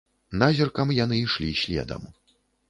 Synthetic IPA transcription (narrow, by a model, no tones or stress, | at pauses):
nazʲirkɐmjan̪ɨiʂlʲiɕʲlʲɛ̰d̪ɐ̰m